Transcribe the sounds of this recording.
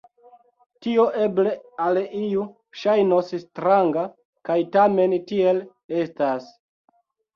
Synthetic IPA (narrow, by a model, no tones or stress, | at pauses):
tio̞ʔe̞ble̞aliju | ʃajnosstɾaŋɡa | kajtame̞ntie̞l | e̞stas